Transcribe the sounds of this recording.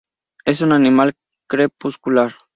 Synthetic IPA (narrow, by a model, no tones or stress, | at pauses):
esunanimal | kɾepuskulaɾ